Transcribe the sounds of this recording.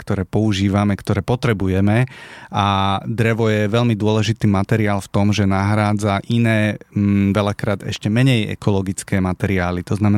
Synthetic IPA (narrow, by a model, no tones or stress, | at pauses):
kt̪ɔɾɛːpɔuʒiːʋamɛkt̪ɔɾɛːpɔt̪ɾɛbujɛmɛad̪ɾɛʋɔjɛʋɛʎmid̪ʊɔlɛʒit̪iːmat̪ɛɾiaːlft̪ɔmʒɛnaɦɾaːd͡zaʔinɛːʋɛlakɾaːd̪ɛ̰ʃcɛmɛɲɛjɛ̰kɔlɔɡit͡skɛːmat̪ɛɾiaːlit̪ɔznamɛ